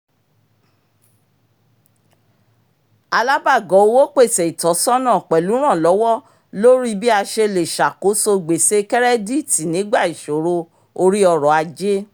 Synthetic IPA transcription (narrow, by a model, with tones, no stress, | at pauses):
a˧la˦ba˦˨ɡɔ˨˦o˧wo˦k͡pe˦˨sɛ˨i˨tɔ˨˦sɔ˦nã˦˨k͡pɛ˨lu˨˦ɾ̃ã˦˨lɔ˨˦wɔ˦ | lo˦ɾi˦bi˦a˧ʃe˧le˨ʃa˨ko˨˦so˧ɡ͡be˨se˧kɛ˦ɾɛ˦di˦ti˨nĩ˨˦ɡ͡ba˦˨i˨ʃo˨ɾo˧ | o˧ɾi˦ɔ˧ɾɔ˨a˧d͡ʒe˦